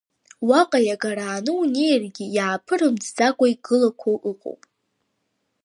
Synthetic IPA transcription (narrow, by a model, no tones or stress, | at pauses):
waqʼajaɡaɾaːnɨunejrɡʲɪjaːpʰɨɾɨmd͡zd͡zakʷʼaiɡɨlakʷʰowʔɨqʼo̰wpʼ